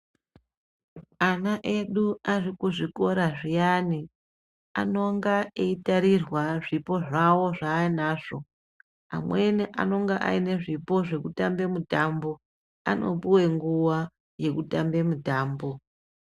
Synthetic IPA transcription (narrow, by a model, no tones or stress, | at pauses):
anaʔe̞ɗuarikuʐiko̞ɾaʐijani | a̰no̞ŋɡaeitaɾirwaʐipo̞ʐawo̞ʐainaːʐo̞ | a̰mwe̞niʔa̰no̞ŋɡaʔa̰ine̞ʐipo̞ʐe̞kutambe̞mutambo̞ | a̰no̞̰puwe̞ŋɡuwa | je̞kutambe̞mutaːmbo̞